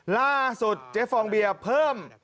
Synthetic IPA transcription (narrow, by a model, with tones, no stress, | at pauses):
laː˥˩su˨˩t̪̚t͡ɕe˦˥pfːɔː˧ŋbi˧ɐpʰɤː˥˩m